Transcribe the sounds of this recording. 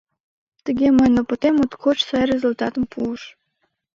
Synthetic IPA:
t̪əɡʲeməjnopot̪emot̪kʰot͡ɕsɑjɾʲezulʲt̪ɑt̪əmpʰuəʃ

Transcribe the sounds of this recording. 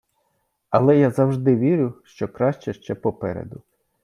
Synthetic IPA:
ɐlˠɛjazɐwʒd̪ɪʋʲiɾʲʊʃt͡ʃɔkɾɑʃt͡ʃɛʃt͡ʃɛpɔpɛ̰ɾḛd̪ʊ

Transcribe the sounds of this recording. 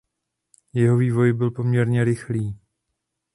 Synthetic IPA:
jɛɦo̞viːvo̞jbɪlpo̞mɲɛɾɲɛɾɪxliː

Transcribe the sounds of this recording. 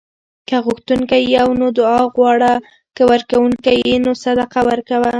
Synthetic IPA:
kaɣʊxt̪uŋkajiawnod̪ʊɑɣwɑɽa | kəwəɾkawuŋkajinosad̪aqawəɾkawa

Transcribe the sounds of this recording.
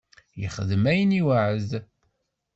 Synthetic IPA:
jə̰χəðəmæjəniwaʕəz

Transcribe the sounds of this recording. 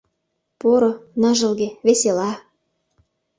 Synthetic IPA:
poɾŏnɑ̆ʒɤ̆lɣĕβeselɑ

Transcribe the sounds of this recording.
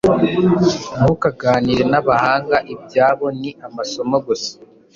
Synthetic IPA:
ɡukaɡaːniɾe̞naβahaːŋɡaʔibjaːβo̞niamaso̞moɡosḁ

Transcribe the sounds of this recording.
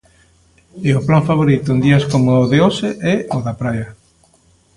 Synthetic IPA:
eoplaɱfaβ̞oɾit̪ʊend̪iɐskomoːðeoseʔɛoðapɾajɐ

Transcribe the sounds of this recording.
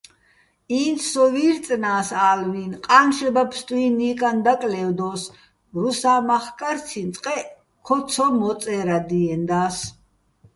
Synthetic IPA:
inʰsɔviɾt͡s̪ʼnaːsaːlvinqʼanʃɛbapʰst̪ʼuinikʼand̪akʼlɛvd̪ɔs | ɾusaːmaχkʼaɾt͡sʰint͡s̪ʼqʼɛ | kʰɔt̪sʰɔmɔsʼɛɾad̪iɛnd̪aːs

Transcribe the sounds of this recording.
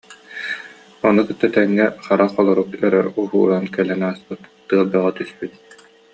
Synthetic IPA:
ɔnukɯt̪ːat̪ɛŋːɛχaɾaχɔlˠɔɾukœɾœ̰uɦṵːɾankɛlɛnaːspɯt̪t̪ɯɐlˠbaʁɔt̪yspyt̪̚

